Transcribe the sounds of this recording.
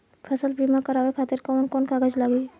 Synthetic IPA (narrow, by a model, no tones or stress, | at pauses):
pʰəsəlpɾimakəɾaːwekʰaːt̪ɪɾkɔːnkɔːnkaɡəd͡ʒlaːɡi